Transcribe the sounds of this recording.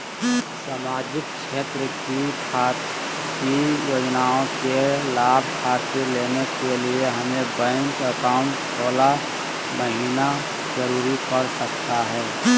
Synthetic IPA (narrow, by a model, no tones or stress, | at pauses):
samaːd͡ʒɪk̚ʃeːt̪ɾəkikʰaː | kijoːd͡ʒnaõkelaːb̚ʱkʰaːt̪əleːnekelieɦɐmẽbə̃ŋkəkaʊ̃ɳʈsoːla | məɦiːna | zəɾuːɾikəɾsəkt̪aɦɛː